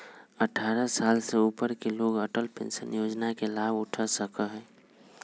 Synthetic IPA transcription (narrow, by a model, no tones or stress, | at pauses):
əʈʰaːɾəsalseupəɾkeloːɡəʈəlpḛ̃nsənjoːd͡ʒnakelabʊʈʰəsəkəɦɛ̃